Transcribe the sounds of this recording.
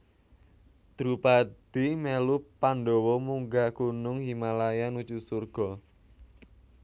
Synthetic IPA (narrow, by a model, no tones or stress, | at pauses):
d̪̥ɾupad̪̥imɛlupanɖɔwɔmuŋɡakunʊŋɦimalajanut͡ʃusurɡ̥ɔ̤